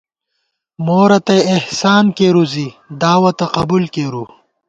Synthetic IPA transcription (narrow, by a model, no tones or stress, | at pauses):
moːɾɐt̪eehsaːnkeːɾuzid̪aːwɐt̪ɐqɐbulkeːɾu